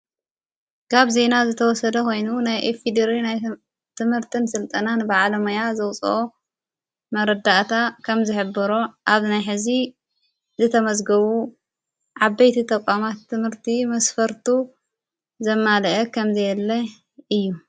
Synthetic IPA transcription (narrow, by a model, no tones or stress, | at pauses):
kʰaβze̞nazɨt̪ʰɐwɔsɐd̪ɐko̞jnunajʔefid̪ɐɾinaj | t̪ʰɨmhɨɾt̪ʰɨnsɨlt̪ʼɐnanbaʕlɐmɐjazɐwt͡sʼʔo | mɐɾɐd̪aʔt̪ʰakʰɐmzɨħɨbːɨɾoʔaβnajħɨzi | zɨt̪ʰɐmɐzɡɐβu | ʕaβɐjt̪ʰit̪ʰʼɐkʷʼːamat̪ʰːɨmhɨɾt̪ʰimɐsfɐɾt̪ʰu | zɐmːalʔɐkʰɐmzɐjɛlːɐ | ɨjːu